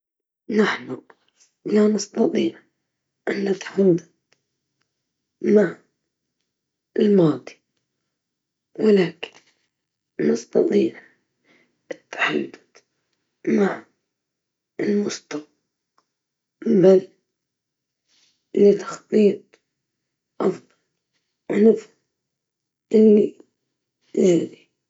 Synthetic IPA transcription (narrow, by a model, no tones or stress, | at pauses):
naħnu | lanɑst̪ɑt̪ˤiːʕ | ʔɪnːat̪ħad̪ad̪ | maʕ | ɪlmɑːd̪ˤi̥ | wɪlaːkɪ̥n | nɑst̪ɑ̰t̪ˤiːʕ | ɪt̪ːḁħad̪ːʊ̥d̪ | maʕ | ɪlmʊst̪ɑw | bal | lit̪ʰḁxt̪ˤːiːt̪̚ˤ | ʔɑfd̪ˤɑl | ʔnɪf | ʔɪlːi | jazi